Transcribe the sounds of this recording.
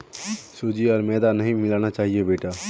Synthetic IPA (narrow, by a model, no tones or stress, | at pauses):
soːd͡ʒiɔːɾmɛːd̪anəɦĩmɪlaːnat͡ʃaːɦiebeːʈaː